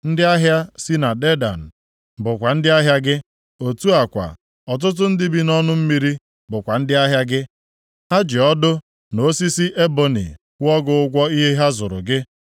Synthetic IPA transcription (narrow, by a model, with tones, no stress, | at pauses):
n̩˦dɪ˦a˦ɦja˦si˦na˨de˦da̰˨n̩˨ | bʊ˨kʷa˨n̩˦dɪ˦a˦ɦja˦ɡɪ˦ | o˨tu˦a˨kʷa̰˨ | ɔ˨t̬ʊ˦t̬ʊ˦n̩˦dɪ˦bi˦nɔ˦nʊ˦m̩˦mi˦ɾi˦ | bʊ˨kʷa˨n̩˦dɪ˦a˦ɦja˦ɡɪ˦ | a˦d͡ʒɪ˨ɔ˦dʊ˦ | no˦si˦si˦ʔe˦bo˦nḭ˨ | kʷɔ˦ɡʊ˦ʊ˦ɡʷɔ˦i˦ɦe˦ɦa˦zʊ˨ɾʊ̰˨ɡɪ˦